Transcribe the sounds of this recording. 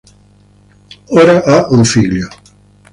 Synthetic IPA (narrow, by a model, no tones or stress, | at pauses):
oːɾaʔauɱfiʎːo